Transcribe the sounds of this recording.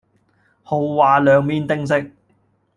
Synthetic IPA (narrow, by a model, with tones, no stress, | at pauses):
ho˨˧wwaː˨lœː˨˧ŋmiː˥nt̪ɪ˥ŋs̬ɪ˥k̚